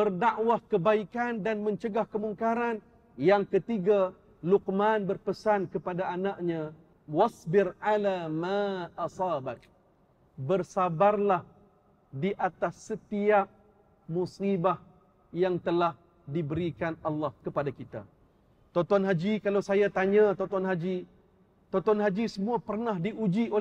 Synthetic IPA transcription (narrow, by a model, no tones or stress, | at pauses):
bərdaʔwahkəbaikandanmə̃ɲt͡ʃəɡahkəmuŋkaɾan | jaŋkət̪iɡa | luk̚manbərpəsankəpadaʔanaʔɲã | wasbɪrʕalamaʔɑsɑːbak | bərsabarlah | diʔat̪asːət̪iaʔ̚ | musibah | jaŋt̪əlah | dibəɾikanalːɑhkəpadakit̪a̰ | t̪ɔt̪ɔnɦad͡ʒikalawsajat̪aɲat̪ɔt̪ɔnɦad͡ʒi | t̪ɔt̪ɔnɦad͡ʒisəmũapərnahdiud͡ʒio